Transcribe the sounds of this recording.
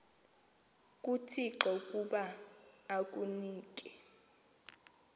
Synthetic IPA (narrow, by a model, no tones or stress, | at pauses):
kʼutʰiǁɔkʼuɓaː | k̬ʼuniːk̬ʼɛ